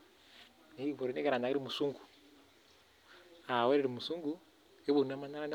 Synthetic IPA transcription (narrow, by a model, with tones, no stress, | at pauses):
ne˨βo˨ɾi˦ne˦ke˦ɾa˨na˨ke˦ɾi˦mu˨su˦ŋɡu̥˨ | a˨we˦ɾe˦ɾi˨mu˨su˦ŋɡu˦ | e˦βu˨na˦ma˦na˦ɾa˦na˦